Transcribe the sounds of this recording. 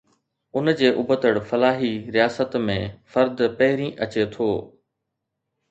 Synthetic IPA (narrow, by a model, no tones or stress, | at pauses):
ʊnd͡ʑeːʔʊbət̪əɽfɐlaːɦiɾijaːsət̪mẽfɐɾd̪pɐɦɪɾĩʔɐt͡ɕet̪ʰoː